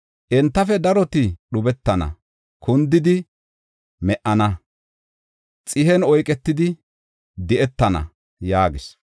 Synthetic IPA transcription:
ʔɛnt̪ːɐfɛd̪ɐɾɔt̪ɪɗʊbɛt̪ːɐnɐ̰ | kʰʊnd̪ɪd̪ɪ | mɛʔɐnɐ | t͡sʼɪhɛnɔjkʼɛt̪ːɪd̪ɪ | d̪ɪʔɛt̪ːɐnɐ̰ | jaːɡɪs

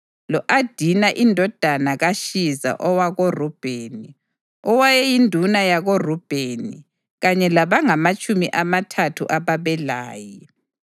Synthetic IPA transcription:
lɔʔad̥ʱinaʔindʱɔd̥ʱanaɣaʃiza̰ʔɔwaɣorub̥ʱeːni | ɔwajɛjindʱunajaɣorub̥ʱeni | ɣaɲɛlaβaŋamat͡ʃʼumiʔamatʰatʰṵʔaβaβɛlaːji

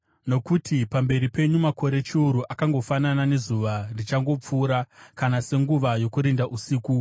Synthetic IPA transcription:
no̞kutʰipambe̞ɾipe̞ɲumako̞ɾe̞t͡ʃiuɾuʔakaŋɡo̞fananane̞zuʋardit͡ʃaŋɡo̞p͡fuːɾakanase̞ŋɡuʋajo̞kuɾindaʔusiːku

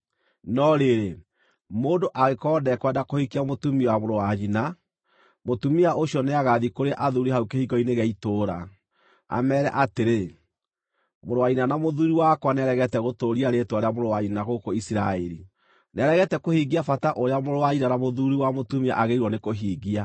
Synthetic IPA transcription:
nɔɾeɾe | moːndoʔaɣekɔːdɛkwɛndakohikiamotumiwamoɾowaɲina | motumiaʔoɕjɔneaɣaðikoɾeʔaðuɾiɦaukehiɡɔineɣɛitoːɾa̰ | a̰mɛɾɛ̰ʔateɾe | moɾowaɲinanamoðuɾiwakwanɛɾɛɣɛtɛɣotoːɾiaɾetwaɾeamoɾowaɲininaɣokoisiɾaɛɾḭ | nɛɾɛɣɛtɛkohiɣiafataʔoɾeamoɾowaɲinanamoðuɾiwamotumia̰ʔaɣeiɾwɔnekoɦiːɣia

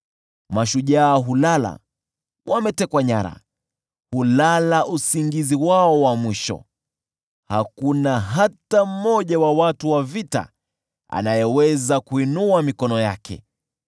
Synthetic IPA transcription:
maʃuʄaːɦulala̰ | wʔamɛtɛkwaɲaɾa̰ | hulalaʔusiŋɡiziwaɔwamwiʃɔ̰ | hakunaɦatam̩mːɔʄawawatuwavita̰ | a̰najɛwɛzakuinuamikɔnɔjakʰɛ̰

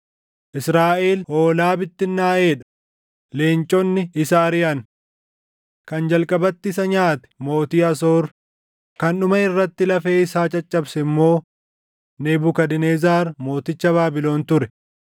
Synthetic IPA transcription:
ʔɪsɾaːʔeːlhoːlaːbɪt̪ːɪnːaːʔeːᶑɐ̥ | leːnt͡ʃʼɔnːɪɪsɐːɾɪjɐn | kɐnd͡ʒɐlkʼɐbɐt̪ːɪs̬ɐɲaːt̪ɛ̥mo̞ːt̪iːɐso̞ːɾ | kɐnʊmɐɪrːɐt̪ːɪlɐfe̞ːɪsaːt͡ʃʼɐt͡ʃʼːɐbsɛɪmːo̞ː | neːbʊkɐd̪ɪneːzaːɾmo̞ːt̪ɪt͡ʃːɐbaːbɪlo̞ːnt̪ʊɾɛ

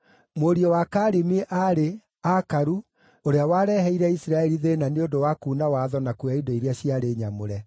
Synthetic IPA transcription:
moɾiɔwakaːɾemeʔaɾe | akaɾu | oɾeawaːɾɛɦɛiɾɛisɾaɛɾiðenaneodowakuːnawaðɔnakuaidoiɾeaɕiaɾeːɲamoɾɛ

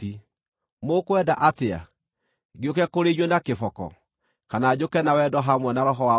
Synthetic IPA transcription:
i | mokwɛdaʔatea̰ | ɡiokɛkoɾeɲwɛnakefɔkɔ̰ | kanaːd͡ʑokɛnawɛdɔɦamwɛnaɾɔɦɔwa

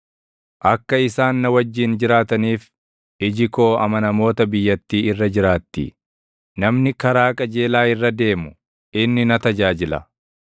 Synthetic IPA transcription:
ʔɐkːɐɪsaːnːɐwɐd͡ʒːiːnd͡ʒɪɾaːt̪ɐniːf | ɪd͡ʒɪko̞ːɐmɐnɐmo̞ːt̪ɐbɪjːɐt̪ːiːɪrːɐd͡ʒɪɾaːt̪ːḭ | nɐmnɪkɐɾaːkʼɐd͡ʒe̞ːlaːɪrːɐd̪e̞ːmʊ | ɪnːɪnɐt̪ɐd͡ʒaːd͡ʒɪlɐ̰

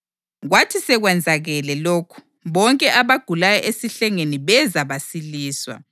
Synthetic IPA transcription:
ɣwatʰisɛɣwɛnd͡zʱaɣɛlɛloːkʰu̥ | βɔŋkʼɛʔaβaɡ̥ʱulajaʔesiɬɛŋeniβɛzaβasiliːswa̰

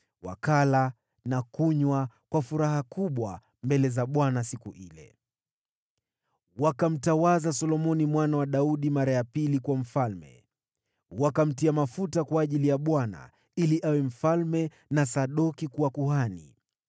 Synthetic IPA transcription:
wa̰kala | nakuɲwa | kwafuɾaɦakuɓwa̰ | mbɛlɛzaɓwanasikuʔilɛ̰ | wakam̩tawazasɔlɔmɔnimwanawaɗauɗimaɾajapilikwam̩falmɛ̰ | wakam̩tiamafutakwaːʄilijaɓwana̰ | iliʔawɛm̩falmɛ | nasaɗɔkikuwakuɦanḭ

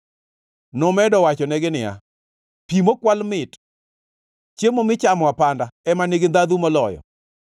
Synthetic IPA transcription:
nʊmɛdɔwat͡ʃɔnɛɡɪnɪja̰ | pimokwalmɪt | t͡ʃemomɪt͡ʃamɔapandaɛmaneɡind̪ad̪umɔlɔjɔ̰

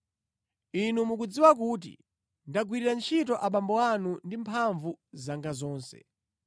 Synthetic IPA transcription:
inumukud͡ziwak̬uːt̬ḭ | ndaɡwiɾiɾant͡ʃʰitɔʔaɓambɔanundimpʰaɱvuzaŋɡazɔːnsɛ̰

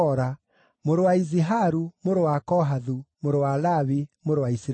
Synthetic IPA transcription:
ɔɾa | moɾowaiziɦaɾumoɾowakɔɦaðumoɾowalaβimoɾowaisɾ

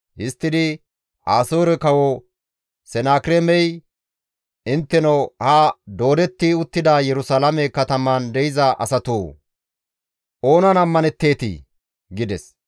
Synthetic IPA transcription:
hɪst̪ːɪd̪ɪ | ʔaːsoːɾɛkɐwɔ | sɛnaːkɾemɛj | ɪnt̪ːɛnɔhad̪o̞ːd̪ɛt̪ːɪʊt̪ːɪd̪ajɛɾʊsaːlɐmɛkɐt̪ɐmɐnd̪ɛjɪzɐʔɐ̰sɐt̪uː | ʔo̞ːnɐnɐmːɐnɛt̪ːe̞ːt̪ɪ̰ | ɡɪd̪ɛs

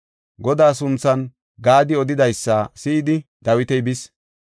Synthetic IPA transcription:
ɡɔd̪aːs̬ʊnt͡sːɐn | ɡaːd̪ɪɔd̪ɪd̪ɐjsːaːsɪɪd̪ɪd̪ɐwɪt̪ɛjbɪs

